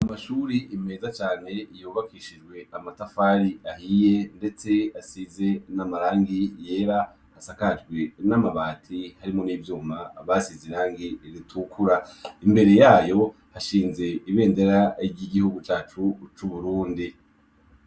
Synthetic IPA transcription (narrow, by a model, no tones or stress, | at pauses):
amaʃuːɾiʔːme̞ːzat͡ʃaːne̞juːβakiʃid͡ʒɡwe̞amatafaːɾiahije̞nde̞t͡se̞asize̞namaɾaːŋɡije̞ːɾa | hasakad͡ʒɡwe̞namaβaːtʰihaɾimo̞niːvjuːmaβasiziɾaːŋɡiɾitʰukuɾaimbe̞ɾe̞jaːjo̞ | haʃiːnze̞iβe̞ːnde̞ɾaɟiɡihuɡut͡ʃaːt͡ʃut͡ʃuβuɾuːndi